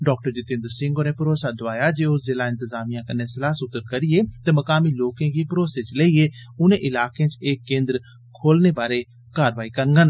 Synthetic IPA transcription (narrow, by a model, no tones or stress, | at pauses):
ɖɔːk̚ʈəɾd͡ʒɪt̪ɪ̃nd̪əɾsɪ̃ŋɡoːneːpəɾoːsaːd̪ʊaːjaːd͡ʒeːozɪlaːɪ̃nt̪əzaːmijãːkənːẽsɪlaːsʊt̪ːəɾkəɾieːt̪eːməkaːmiːloːkẽːkiːpɾoːseːt͡ʃleieːʊnẽːʔɪlaːkẽt͡ʃeːkːẽːnd̪ɾ | kʰoːlneːbaːɾeː | kaːɾʋaːikəɾɡən